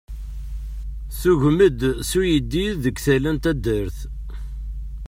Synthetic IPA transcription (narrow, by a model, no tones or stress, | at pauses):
θuʝməd̪sujəd̪ːiðəɡθælənt̪æd̪əɾθ